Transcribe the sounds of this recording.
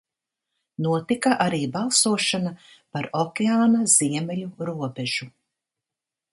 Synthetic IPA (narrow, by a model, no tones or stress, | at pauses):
nuɔt̪ikaʔaɾiːbalˠsuɔʃanapaɾɔkʲeaːnaz̥iɛmɛluɾuɔbɛʒ̥u